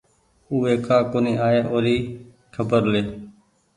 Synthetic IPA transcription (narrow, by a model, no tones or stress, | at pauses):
uːeːkaːkoːniːaːeːʔoːɾiː | kʰəbəɾleː